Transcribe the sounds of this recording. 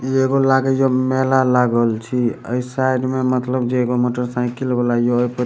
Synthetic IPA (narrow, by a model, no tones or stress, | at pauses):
ieɡolaɡejomɛlalaɡəlt͡ʃʰiə̰jsajɖmemət̪ləbd͡ʒeːɡomoʈəɾsãkilbelajoəjpə